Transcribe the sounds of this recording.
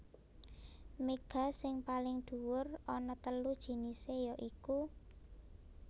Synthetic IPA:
meɡ̥a̤sɪŋpalɪŋd̪̥ṳwʊrɔnɔt̪əlud̥ʒ̥i̤nisejɔʔiku

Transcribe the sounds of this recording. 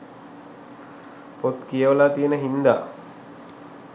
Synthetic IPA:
pot̪kijəʋəlat̪ijənəɦind̪aː

